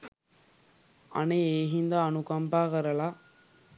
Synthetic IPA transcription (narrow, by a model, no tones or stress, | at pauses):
ɐ̰neeːɦind̪aːnukɐmbaːɣɐɾɐlaː